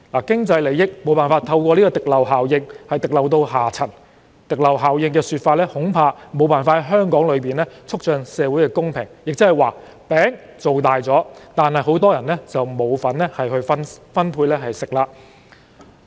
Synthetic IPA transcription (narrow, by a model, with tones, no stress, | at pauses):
laː˨˩kɪ˥ŋt͡sɐ˧jle˨˧jɪ˥k̚mo˨˧wpaː˨nfaː˧t̪ʰɐ˧wkʷɔː˧liː˥kɔː˧t̪ɪ˨k̚lɐ˨˩wɦaː˨˩wjɪ˧ŋhɐ˨jt̪ɪ˨k̚lɐ˨wt̪̬o˧wɦaː˨˩t͡sʰɐ˨˩n | t̪ɪ˨˩k̚lɐ˨˩wɦaː˨˩wjɪ˧ŋkɛː˧syː˧t̚faː˧t̚lɛː˥hʊ˨˥ŋpʰaː˧mo˨˧wpaː˨nfaː˧t̚hɐ˨˦jɦœː˥ŋkɔː˨˥ŋlɵ˨˧ɥpiː˨˩nlɛː˥t͡sʰʊ˥k̚t͡ʃœː˨˧ŋsɛː˨˧wu˨˥jkɛː˧kʊ˥ŋpʰɪ̰˨˩ŋjɪ˨k̚t͡sɪ˥hjwaː˨˩ | pɛː˨˥ŋ | t͡so˨wt̪aː˨jt͡sɔː˨˥t̪aː˨nhɐ˨jɦo˨˥wt̪ɔː˥jɐ˨˩nlɛː˥t͡sɐ˨wmo˨˧wfɐ˨˥nlɛ˥hɐ˨jɦɵ˧ɥfɐ˥nfɐ˥npʰuː˧jlɛː˥ɦɐ˨jsɪ˨k̚laː˧